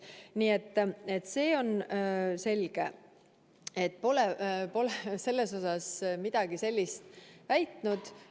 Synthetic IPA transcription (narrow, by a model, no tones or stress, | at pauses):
niːet̪ːe̞t̪ːˑse̞ːo̞nse̞lɡ̥e̞̰ | et̪̚ːˑpo̞lepo̞lese̞lːe̞so̞sɑsmid̪̥ɑɡ̥ise̞lʲːist̪væjt̪nud̪̥